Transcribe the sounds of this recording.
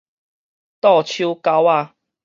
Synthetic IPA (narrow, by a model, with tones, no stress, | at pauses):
t̪ɔ˥˨t͡ɕʰu˦ka˧wa˥˧˨